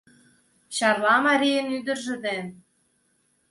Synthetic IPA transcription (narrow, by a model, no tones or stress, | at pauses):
ɕɑrlɑmɑɾʲijə̆nyd̪ə̆rʒɘ̆d̪en